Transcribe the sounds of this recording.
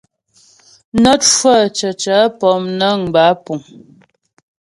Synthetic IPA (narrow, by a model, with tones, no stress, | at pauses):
nə˦t̚ʃwə˦˨t͡ʃə˨t͡ʃa˨˦pɔ˨˦mnə˦˨ŋ˨ba˨˦pu˨ŋ